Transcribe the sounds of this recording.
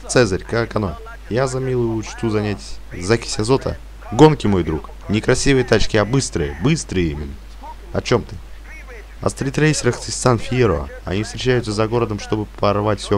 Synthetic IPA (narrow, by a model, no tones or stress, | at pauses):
t̪sɛzəɾʲkakɐno̰ | jazɐmʲilˠʊjʊʊt͡ɕt̪uzɐnʲatʲzakʲɪ̥sʲɐzo̞t̪ʰə̰ | ɡo̞nkʲɪmo̞jd̪ɾuk | nʲɪkɾɐsʲivɨjət̪at͡ɕkʲiɐbɨst̪ɾɨjəbɨst̪ɾɨjimʲɪnːə | ɐ̰t͡ɕo̞mt̪ɨ | ɐ̰st̪ɾʲɪt̪ɾejsʲɪɾəxt̪ɨssanfʲijeɾoə̰ɐ̰nʲifst̪ɾʲɪt͡ɕæjʊt̪səzɐɡo̞ɾəd̪əmʂt̪o̞bɨpɐrvatʲfʲsʲo